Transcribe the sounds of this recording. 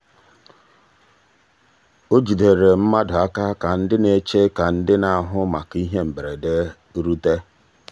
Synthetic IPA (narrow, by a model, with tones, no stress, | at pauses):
o˦d͡ʒi˨de˨ɾe˨m̩˦ma˦dʊ˨a˦ka˦ka˨n̩˦dɪ˦ne˨t͡ʃe˦ka˨n̩˦dɪ˦na˨ɦʊ˦ma˨ki˦ɦe˦m̩˨be˨ɾe˨de˦ | ɾu˦te˦